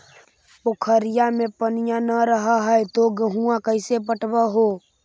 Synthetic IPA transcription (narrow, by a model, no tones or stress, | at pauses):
okʰəɾɪjamẽpənijãnəɾəɦaɦəet̪oɡəɦuãkəɪsep̬əʈbəɦo